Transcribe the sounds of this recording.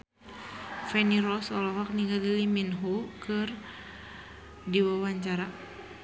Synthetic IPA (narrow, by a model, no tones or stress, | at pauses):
fɛniɾɔsɔlɔɦɔk̚niŋɡaɡəliminɦukɨr | diwawaɲt͡ʃaɾa